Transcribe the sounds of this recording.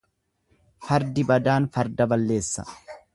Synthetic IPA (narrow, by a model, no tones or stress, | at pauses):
fɐɾd̪ɪbɐd̪aːnfɐɾd̪ɐbɐlːe̞ːsːɐ̰